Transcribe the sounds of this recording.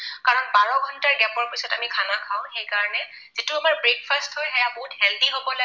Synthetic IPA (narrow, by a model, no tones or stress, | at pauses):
kaɹɔnbaɹɔɡʱɔntaɹɡɛpɔɹpisɔtamikʰanakʰaʊ̃xejkaɹɔnɛ | z̥ituamaɹbɹek̚fʰasthojɦɛjaboɦuthɛndiɦobɔla